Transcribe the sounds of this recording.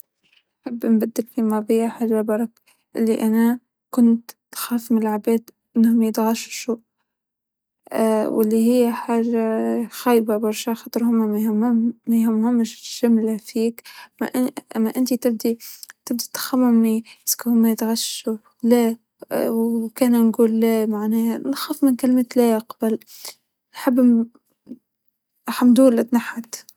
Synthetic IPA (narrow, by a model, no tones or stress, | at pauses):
ħabːnbad̪ːɪlfimɑbɪjːaħarːabɑɾˤɑk | ʔɪlːiʔana | kʊnt̪ | xaːfmɪnɪlʕabæːd̪ʔɪnːhʊmjɪt̪ɣaʃʃu | wʔɪ̰lːihɪjːaħarxaːjbabɑɾˤʃaxɑt̪ˤɾhʊma | ajhamːhʊmːʃʃamlafiːkm̰ʔʔmːæʔɪnt̪it̪ɪb̚d̪it̪ɪb̚d̪it̪ːḁxamːʊmniɪ̥skhʊmːæt̪ɣaʃu | læ | wkæːnnɡuːlːæmaʕnɛːlxafmɪnkalmet̪læjaqbal | ʔħabː | ʔaħamːd̪uːlɪt̪naħːat̪